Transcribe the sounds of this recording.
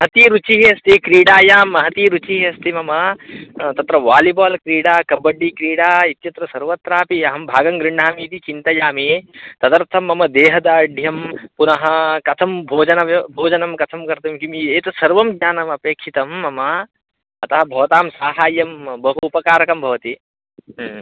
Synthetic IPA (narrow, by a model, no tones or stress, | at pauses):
ɐɦɐt̪iɾut͡ʃiɦiɐst̪ʰikɾiːɽaːjaːmːɐɦɐt̪iːɾut͡ʃiɦiɐst̪ʰimɐmɐ | t̪ɐt̪ɾɐʋaːlibaːlkɾiːɽaːkɐbɐɖːiːkɾiːɽaːit̪jɐt̪ɾɐsɐɾʋɐt̪ɾaːpiɐɦɐmbʱaːɡɐŋɡɾɪɳ̤aːmiːt̪it͡ʃint̪ɐjaːmit̪ɐd̪ɐɾt̪ʰɐmːɐmɐd̪eːɦɐd̪aːɖʱjɐmpunɐɦɐ̆kɐt̪ʰɐmbʱoːd͡ʒɐnɐʋɐbʱoːd͡ʒɐnɐmkɐt̪ʰɐmkɐɾt̪ɐmkimieːt̪ɐsɐɾʋɐmɡɲaːnɐmɐpeːkʂit̪ɐmːɐmɐ | ɐt̪ɐɦɐbʱɐʋɐt̪aːmsaːɦaːjɐmbʱɐɦuupɐkaːɾɐkɐmbʱɐʋɐt̪i